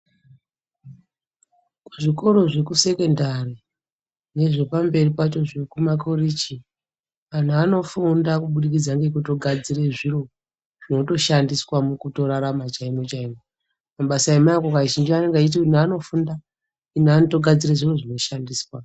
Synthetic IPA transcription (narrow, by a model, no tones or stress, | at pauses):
ku̥ʐiko̞ɾo̞ʐe̞kuse̞ke̞ndari | ne̞ʐe̞pambe̞ripat͡ʃo̞ʐe̞kumakʰorit͡ʃi | an̤uano̞fundakuɓuɗik̬id͡zaŋɡekutoɡʱad͡ziɾeʐiro̞ | ʐ̥ino̞to̞ʃandiswamukuto̞ɾaɾamat͡ʃaimo̞t͡ʃaimo | maɓasaimaakokaʒind͡ʒianeŋɡait̬iin̤ano̞funda | in̤anoto̞ɡʱad͡zireʐiro̞ʐino̞ʃandiːswa